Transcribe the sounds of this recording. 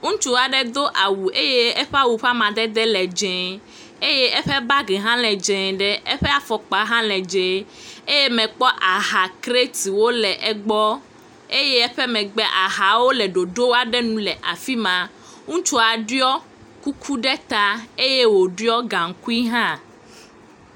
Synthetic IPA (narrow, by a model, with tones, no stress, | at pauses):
ŋũ˦t͡ʃu˦a˨ɖɛ˦d̪o˦ʔa˨wu˨ʔe˦je˦ɛ˦ɸa˦wu˨ɸa˦mã˨d̪ɛ˦d̪ɛ˦lɛ˨d͡ʒɛ̃˨ | e˦je˦ɛ˦ɸɛ˦ba˦ɡɛ˨ɦã˦lɛ˨d͡ʒɛ̃˨ɖɛ˦ɛ˦ɸɛ˦a˨fɔ˨k͡pa˨ɦã˦lɛ˨d͡ʒɛ̃˨e˦je˦mɛ̃˨k͡pɔ˦ʔa˨ɦa˨kɾe˦t̪i˨wo˦lɛ˨ʔɛ˦˨ɡ͡bɔ˦ | e˦jɛ˦ɛ˦ɸɛ˦mɛ̃˨ɡ͡bɛ˦ʔa˨ɦa˨wo˦lɛ˨ɖo˨ɖo˦wa˨ɖɛ˦nũ˦lɛ˨ʔa˨fi˦mã˨ | ŋũ˦t͡ʃo˦a˨ɖi˦ɔ˦ | ku˦kʰu˦ɖɛ˦t̪a˦e˦je˦wo˨ɖi˦ɔ˦ɡã˨ŋ̩˨ku˦i˦ɦã˦